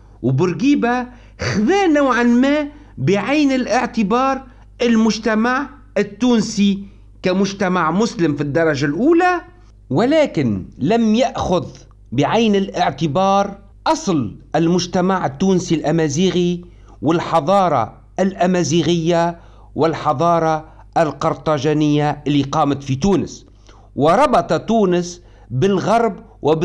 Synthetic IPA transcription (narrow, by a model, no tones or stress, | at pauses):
wbɪɾɡiːba | xðaːnawʕanmaː | bɪʕajnɪlʔɪʕt̪ɪbɑːɾˤ | ʔɪlmʊʒt̪amaʕ | ɪt̪ːuːnsi | kamʊʒt̪amaʕmʊslɪmfid̪ːɑɾˤɑʒalʔuːla | wɪlaːkɪnlamjaʔxʊð | bɪʕajnɪlʔɪʕt̪ɪbɑːɾˤ | ʔɑsˤlʔɪlmʊʒt̪amaʕɪt̪ːuːnsilʔamaːziːɣi | wɪlħɑðˤɑːɾˤɑ̰ | ʔalʔamaːziːɣɪjːa | wɪlħɑðˤɑːɾˤɑ | ʔalqɑɾˤt̪ˤɑʒaːnɪjːaʔɪlːiqɑːmat̪fit̪uːnɪs | wɪɾˤɑbɑt̪ˤɑt̪uːnɪs | bɪlɣɑɾˤb | wʔɪb